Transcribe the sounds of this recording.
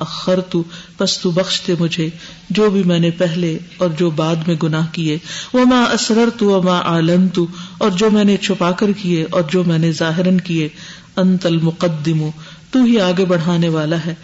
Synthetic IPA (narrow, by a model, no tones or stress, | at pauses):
ɐxəɾt̪upɐst̪ubɐxʃt̪emʊd͡ʒʱe | d͡ʒoːbʱimɛ̃ːnepɛɦleɔːɾd͡ʒoːbaːd̪mẽɡʊnaːɦkieʋɐmaːʔɐsɾɐɾt̪uʋɐmaːʔaːlɐnt̪uɔːɾd͡ʒoːmɛ̃ːnet͡ʃʰʊpaːkəɾkieʔɔːɾd͡ʒoːmɛ̃ːnezaːɦɪɾənkie | ɐ̃nt̪ɐlmʊqɐd̪ːɪmu | t̪uɦiaːɡebɐɽ̤aːneʋaːlaɦɛː